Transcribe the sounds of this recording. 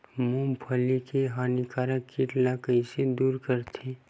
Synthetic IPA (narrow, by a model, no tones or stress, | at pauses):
mũmpʰəlikeɦaːnikaːɾakːiʈlakəised̪uːɾkəɾt̪ʰi